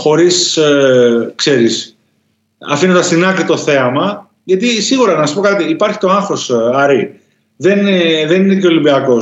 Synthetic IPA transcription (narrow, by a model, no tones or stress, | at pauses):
xo̞ɾis | kse̞ɾis | ɐ̰finod̪ɐst̪inɐkɾit̪o̞θe̞ɐmɐ | ʝɐt̪isiɣuɾɐnnɐsu̥po̞kɐt̪iːpɐɾçi̥t̪o̞ɐŋxɾo̞sɐɾi | ðe̞nðe̞nineceo̞limbiɐko̞